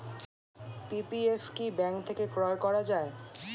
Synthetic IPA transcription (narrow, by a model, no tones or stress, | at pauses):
pipiefkibɛŋkt̪ʰekekɾɔekɔɾad͡ʑae